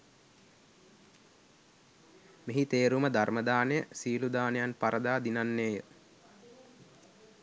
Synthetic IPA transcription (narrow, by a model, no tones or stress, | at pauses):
meɦit̪eːɾuməd̪arməd̪aːnejəsiːlud̪aːnejanpaɾəd̪aːd̪inanːeːjə